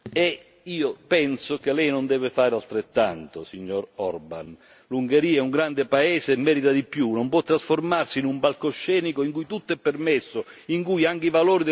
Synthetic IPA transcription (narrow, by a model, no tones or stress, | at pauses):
ɛ | iːopɛnsok̟elɛjnond̪ɛːvɪfaːɾalt̪ɾet̪ːa̰nt̪osiɲːɔɾɔrba̰n | luŋɡeɾiːɛuŋɡɾand̪ɪpaɛːseːmːɛːɾit̪ad̪ipjunompwɔt̪ːɾasformarsiːnumpalkoʃːɛːnikoiŋkujt̪ut̪ːoɛpːermɛsːʊiŋkujaŋkivaloːɾid̪